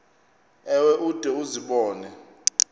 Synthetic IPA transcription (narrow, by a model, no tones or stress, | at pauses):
ɛwɛʔud̥ʼʱɛuziɓɔːnɛ